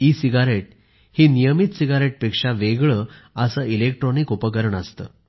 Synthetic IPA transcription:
isiɡaɾeʈ̚ | hiːnijəmit̪siɡaɾeʈ̚pekʂaʋeɡɭəəsəilek̚ʈɾɔnikopəkəɾəɳəst̪ə̰ː

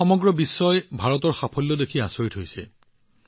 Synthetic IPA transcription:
ɔmɔɡɹɔbisːɔjbʱaɹɔtɔɹxapʰɔlːɔdekʰiasoɹitɦojsɛ̰

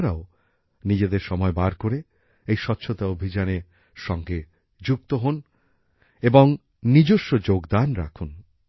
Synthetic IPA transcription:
ɾao | nid͡ʑed̪eɾʃɔmɔebaɾkoɾe | ejʃɔtːɕʰot̪aobʱid͡ʑane | ʃɔŋɡe | d͡ʑuk̚t̪oɦon | eboŋ | nid͡ʑoʃːod͡ʑoɡd̪anɾa̰kʰun

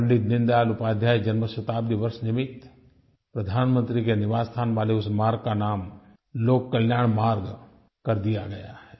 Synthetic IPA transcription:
əɳɖɪt̪nɪ̃nd̪aːlʊpaːd̪ʱjaːjd͡ʒɐnməʃɐt̪aːbd̪iʋɐɾʃnɪmɪt̪ | pɾɐd̪ʱaːnmə̃nt̪ɾikenɪʋaːst̪ʰaːnʋaːleʊsmaːɾɡ̚kanaːm | loːkːɐljaːɳ̃maːɾɡ | kɐɾd̪ijaɡɐjaɦɛː

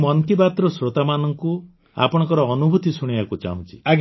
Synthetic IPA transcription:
mɔnt̪ibat̪ɾɔsɾot̪amanɔŋku | a̰pɔɽ̃ŋkɔɾɔːnubʱut̪isuɽ̃ibakut͡ʃa̰ɦṵ̃nt͡ʃʰi̥aɡ

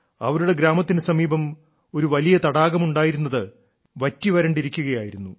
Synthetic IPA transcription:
ɐ̰ʋɐɾuɽe̞ɡɾaːmɐt̪ːinɨsɐmiːbɐm | o̞ɾuʋɐlijɐt̪ɐɽaːɡɐmuɳɖaːjiɾunːɐðɨ | ʋɐtːiʋɐɾɐɳɖiɾikʲːuɣɐjaːjiɾunːu

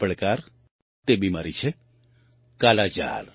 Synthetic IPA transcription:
pəɭkaːɾ | t̪ebimaːɾit͡ʃʰe | kaːlad͡ʒa̰ːl

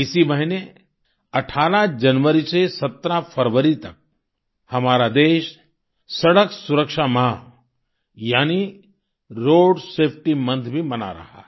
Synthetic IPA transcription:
ɪsibɐɦɪne | ɐʈʰaːɾãd͡ʒɐnʋəɾisesɐt̪ɾãfʰɐɾʋəɾit̪ɐk̚ | hɐmaːɾad̪eːʃ | sɐɽəksʊɾəkʃamã | jaːni | ɾoːɖseːpʰʈimɐ̃nt̪ʰbʱimɐna̰ɾɐ̰ɦa̰ː

